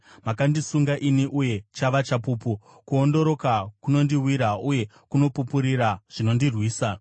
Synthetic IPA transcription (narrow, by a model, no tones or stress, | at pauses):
makandisuŋɡaʔiniʔuje̞t͡ʃaʋat͡ʃapuːpu | kuondo̞ɾo̞kakuno̞ndiwiɾauje̞ | kuno̞pupuɾiɾaʐ̥ino̞ndirwiːsa